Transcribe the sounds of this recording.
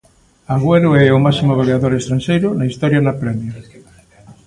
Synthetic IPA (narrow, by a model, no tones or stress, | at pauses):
aɣweɾʊɛʊmasimoβ̞aleaðoɾest̪ɾanʃejɾʊnaist̪ɔɾjanɐpɾɛmja